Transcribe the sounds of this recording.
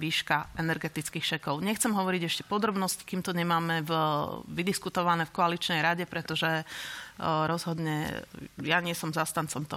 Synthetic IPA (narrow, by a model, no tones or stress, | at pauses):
ʋiːʃkaɛnɛɾɡɛt̪it͡skiːxʃɛkɔʊɲɛxt͡sɛmɦɔʋɔɾiɟɛʃcɛpɔd̪ɾɔbnɔsci̥kiːmt̪ɔɲɛmaːmɛvʋid̪iskut̪ɔʋanɛːfkɔalit͡ʃnɛjɾaɟɛpɾɛt̪ɔʒɛ | ɾɔzɦɔd̪ɲɛjaɲɪɛsɔmzast̪ant͡sɔmt̪ɔ̰